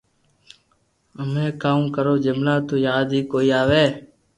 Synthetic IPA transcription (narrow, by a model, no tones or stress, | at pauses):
əmẽːkaːũːkəɾoːd͡ʒəmlãːt̪oːjaːd̪iːkoːiːaːʋeː